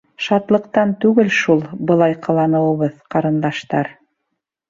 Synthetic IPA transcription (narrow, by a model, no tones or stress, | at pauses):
ʃɑt̪lˠɤ̆qt̪ɑnt̪ʉɡɘlʃulˠbɤ̆lˠɑjqɑlˠɑnɤ̆wɤ̆βɤðqɑɾɤ̆nd̪ɑʃt̪ɑɾ